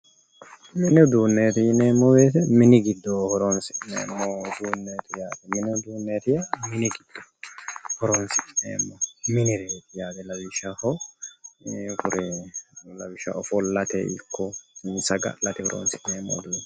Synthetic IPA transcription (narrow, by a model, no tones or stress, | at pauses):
mɪnɪd̪uːnːeːt̪ɪneːmːɔbeːt̪ɛmɪnɪɡɪd̪ːohɔɾoːnsɪnḛːmːod̪uːnːeːt̪ɪjaːd̪ɛmɪnɛd̪uːnːeːt̪ɪjamɪnɪɡɪd̪̥ːo̥hɔɾoːnsɪnḛːmːɔmɪnɪɾeːt̪ɪjaːd̪ɛlɐbɪʃahɔ | kʊɾɛlɐbɪʃːɐ̰ʔɔfɔlɐt̪ɛ̰ʔɪkʰːɔsɐɡɐ̰lɐt̪ɪhɔɾo̰ːnsɪneːmːɔ̰d̪u